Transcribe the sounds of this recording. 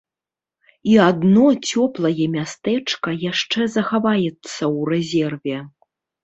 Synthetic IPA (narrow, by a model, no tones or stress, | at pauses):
iad̪nɔt͡sʲɔplˠɐjɛmʲast̪ɛt͡ʂkɐjaʂt͡ʂɛzɐxavajɛt̪sːɐwrɛzʲɛrvʲɛ